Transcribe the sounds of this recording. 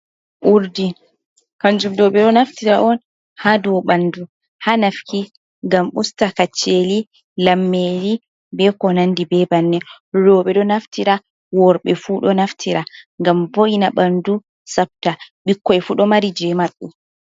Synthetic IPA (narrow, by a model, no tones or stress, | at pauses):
ʔuɾdi | kaɲd͡ʒumdɔɓɛɗɔnaftiɾaʔɔn | hadɔwɓandu | hanafki | ŋɡamʔustakat͡ʃːeli | lamːeli | bɛkɔnandibɛbanːɛ | ɾɔɓɛɗɔnaftiɾa | wɔɾɓɛfuɗɔnaftʰiɾaŋɡamboʔinaɓandu | sap̚taɓikːɔɛfuɗɔmaɾid͡ʒɛmaɗːu